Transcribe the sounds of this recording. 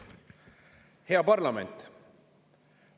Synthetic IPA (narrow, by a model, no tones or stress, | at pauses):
he̞ɑpɑrlɑment̪